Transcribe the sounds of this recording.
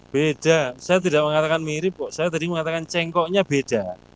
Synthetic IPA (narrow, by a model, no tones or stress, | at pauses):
b̥ed̥asajat̪̬idaʔməŋat̪akanmiɾɪp̚ːɔʔsajat̪adiməŋat̪akant͡ʃɛŋkɔʔɲab̥ed̥a